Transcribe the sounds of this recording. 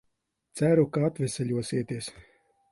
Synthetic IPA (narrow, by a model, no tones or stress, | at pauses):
t̪sæɾukaat̪vʲɛsɛlʲuɔsiɛt̪iɛs